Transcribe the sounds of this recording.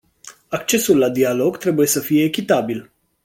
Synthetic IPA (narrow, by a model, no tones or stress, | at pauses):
ak̚t͡ʃe̞sulːad̪ialo̞ɡt̪ɾe̞buje̞səfijeːkʲit̪abil